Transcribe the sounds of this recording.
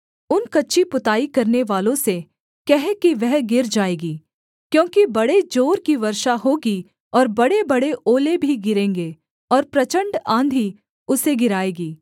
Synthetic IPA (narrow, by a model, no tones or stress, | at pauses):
ʊnkɐtːʃʰipʊt̪aːikɐɾneʋaːlõse | kɛɦkiʋɛɦɡɪɾd͡ʒaːeːɡiː | kjõːkibɐɽed͡ʒoːɾkiʋɐɾʃaɦoːɡi | ɔːɾbɐɽebɐɽeʔoːlebʱiɡɪɾẽːŋɡeː | ɔːɾpɾɐt͡ʃə̃ɳɖãːnd̪ʱi | ʊseɡɪɾaːeːɡiː